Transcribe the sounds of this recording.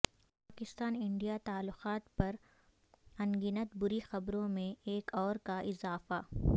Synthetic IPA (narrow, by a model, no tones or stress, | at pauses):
paːkɪst̪aːnɪ̃ɳɖijat̪aːlːʊqaːt̪pɐɾ | ɐ̃ŋɡinət̪bʊɾixɐbɾõmẽeːkɔːɾkaʔɪzaːfa